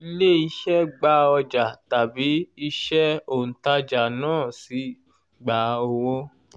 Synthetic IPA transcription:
i˧˦le˦˨i˨˦ʃɛ˦ɡ͡ba˧˦ɔ˧d͡ʒa˨ta˨bi˨˦i˦ʃɛ˦o˨n̩˨ta˧d͡ʒa˨nãː˦˨si˨˧˦ | ɡ͡ba˨˦o˧wo˦

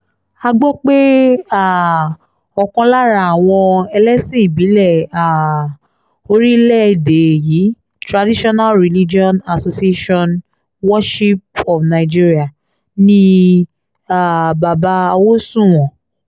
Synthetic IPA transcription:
a˧ɡ͡bɔ˦k͡pe˦a˦˨ | ɔ˨kɔ̃˧la˦ɾa˦˨a˨w̃ɔ̃˧ɛ˧lɛ˦sĩ˦˨bi˨˦lɛ˦˨a˨ | o˧ɾi˦lɛ˦˨de˨ji˨˦ | tɾa˨di˦ʃɔ˦na˦lɾi˨li˦d͡ʒi˦ɔ̃˦na˨so˧si˦e˦ʃɔ̃˦n | wɔ˦ʃi˦p̚ɔ˨fnã˨i˨d͡ʒi˦ɾi˦a˦˨ | nĩ˦ | a˦˨ba˨ba˧a˧wo˦sũ˦˨w̃ɔ̃˨

